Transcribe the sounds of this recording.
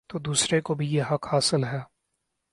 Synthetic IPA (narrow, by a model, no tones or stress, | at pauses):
t̪oːd̪uːsɾekobʱijeɦɐkhaːsəlɦɛː